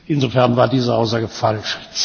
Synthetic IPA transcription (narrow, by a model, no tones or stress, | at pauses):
ʔɪnzofɛɐnvaːɐdiːzəʔaʊs̬z̥aːɡəfalʃt͡s